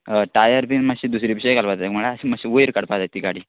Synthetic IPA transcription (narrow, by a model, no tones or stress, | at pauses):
ʈajəɾpinməɕiːd̪usɾipiɕekalpat̪ekməɭasiməɕiʋojɾkəɽpad̪at̪ːikaɽi